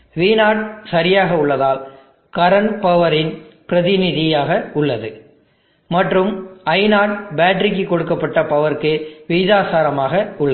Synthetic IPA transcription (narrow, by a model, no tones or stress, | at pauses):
ʋiːnaːʈ̚sɐɾɪjaːɣɐʊɭːɐðaːl | kɐɾɐnpɐʋɐɾɪnpɾɐðɪnɪðɪjaːɣɐʊɭːɐðɯ | mɐʈrɯmɐɪnaːʈbaːʈɾɪk̬ːɯkːɔɽɯkːɐpːɐʈːɐpɐʋɐɾkɯʋɪjðaːsaːɾɐmaːɣɐʊɭːɐ